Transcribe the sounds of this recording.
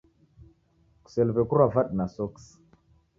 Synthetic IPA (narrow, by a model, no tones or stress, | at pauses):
ku̥selpekuɾavaɗnasoks